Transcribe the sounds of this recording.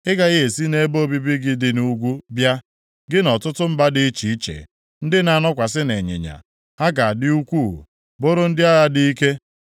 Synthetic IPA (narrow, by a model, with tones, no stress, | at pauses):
ɪ˦ɡa˨ɣe˦e˨si˦ne˦bo˦˨bi˦bi˦ɡɪ˦dɪ˨nu˦ɡʷu˦bja˦ | ɡɪ˦nɔ˨tʊ˦tʊ˦m̩˦ba˦dɪ˦t͡ʃi˨i˦t͡ʃḛ˨ | n̩˦dɪ˦na˨nɔ˦kʷa˨sɪ˦ne˨ɲḛ˨ɲa̰˨ | a˦ɡa˨a˨dɪ˦u˦kʷṵ˦˨ | bo˦ɾʊ˦n̩˦dɪ˦a˦ɣa˨dɪ˦i˦ke˦